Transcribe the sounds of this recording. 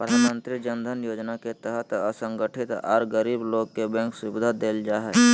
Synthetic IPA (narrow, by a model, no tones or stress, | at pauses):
pəd̪ʱaːnmə̃nt̪ɾɪd͡ʒənd̪ʱənjoːd͡ʒnaket̪əɦət̪əsə̃ŋɡəʈʰɪt̪a̰ɾɡəɾiːbloːɡkebɛ̃ːksʊbɪd̪ʱad̪eːld͡ʒaːɦɛ